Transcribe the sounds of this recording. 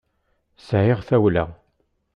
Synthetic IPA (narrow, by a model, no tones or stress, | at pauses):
sʕɪʁθæwlæ̰